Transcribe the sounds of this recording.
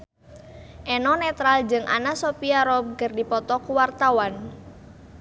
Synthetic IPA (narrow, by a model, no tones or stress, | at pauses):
ʔɛnɔnɛt̪ɾald͡ʒɨŋʔa̰nasopiaɾɔb̚ɡərdipɔt̪ɔkuwart̪awan